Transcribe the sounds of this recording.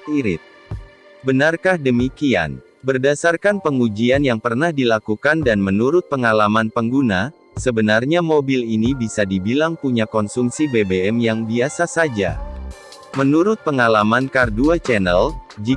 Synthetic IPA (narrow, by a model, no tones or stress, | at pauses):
iɾɪ̰t̪̚ | bənarkahdəmikia̰n | bərdasarkanpəŋud͡ʒianjaŋpərnahdilakukandanmənuɾʊt̪̚pəŋalamanpəŋɡuna | səbənarɲamobilinibisadibilaŋpuɲakɔnsumsibebeɛmjaŋbiasasad͡ʒa̰ | mənuɾʊt̪̚pəŋalamankarduat͡ʃɛnəld͡ʒi